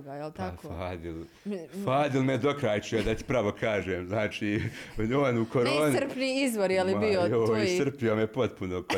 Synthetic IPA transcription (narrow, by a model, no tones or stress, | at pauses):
ajlpafaːd̪il | faːd̪ilˠmed̪o̞kɾaːjt͡ʃujod̪at̪i̥pɾaʋo̞kʰaːʒeːmznaːt͡ʃiːoːnukoɾoːnisɾpniizʋoɾjelibiooojisr̩pijo̞mepo̞t̪̚punok